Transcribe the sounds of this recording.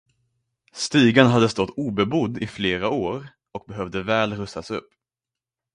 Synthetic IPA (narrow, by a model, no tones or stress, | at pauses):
st̪yːɡanɦad̪ːəst̪ɔt̪ʰːuːbɛbʊd̪ːɪfleːɾaoːɾ | ɔk̚bɛɦœvd̪əvɛːlɾɵsasɵpː